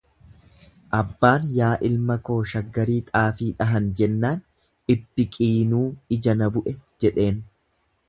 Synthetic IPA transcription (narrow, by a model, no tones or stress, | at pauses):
ʔɐbːaːnjaːʔɪlmɐko̞ːʃɐɡːɐɾiːt̪ʼaːfiːᶑɐɦɐnd͡ʒɛnːaːn | ɪbːɪkʼiːnuːɪd͡ʒɐnɐbʊʔɛd͡ʒɛᶑe̞ːn